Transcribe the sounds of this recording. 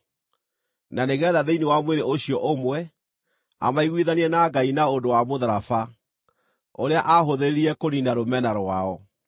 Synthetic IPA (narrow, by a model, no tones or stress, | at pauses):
naneɣɛðaðeinewamweɾeoɕiɔʔomwɛ | a̰maiɣwiðaniɛnaɡainaondowamoðaɾafa | oɾeaʔaɦoðeeɾiɛkoninaɾomɛnaɾwaɔ